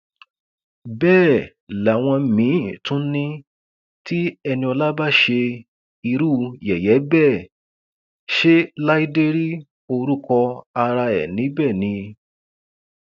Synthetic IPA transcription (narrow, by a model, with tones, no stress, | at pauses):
bɛː˦˨ | la˨w̃ɔ̃˧mĩ˨˦tũ˦nĩ˦ | ti˦ɛ˧nĩ˧ɔ˧la˦ba˦ʃe˧ | i˧ɾu˦jɛ˨jɛ˨˦bɛ˦˨ | ʃe˦la˦i˦de˦ɾi˦ | o˧ɾu˦kɔ˧a˧ɾa˧ɛ̰˨nĩ˨˦bɛ˦˨nĩ˧